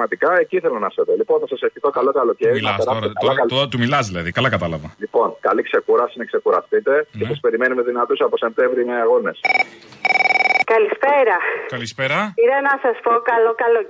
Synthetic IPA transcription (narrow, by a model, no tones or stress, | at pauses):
mɐt̪ikɐe̞ciθe̞lonɐset̪olipo̞nθɐsɐseftiθo̞kɐlo̞kɐlo̞ce̞ɾinpeɾɐst̪ekɐlɐkɐlt̪umilɐzðilɐðikɐlɐkɐt̪ɐlɐvɐlipo̞nkɐlikse̞kuɾɐsinɐkse̞kuɾɐst̪it̪e̞ce̞sɐspe̞ɾime̞numeðinɐt̪osɐposemt̪e̞vɾime̞ɐɣo̞ne̞s | kɐlispeɾɐkɐlispeɾɐiɾɐnɐsɐspokɐlokɐlo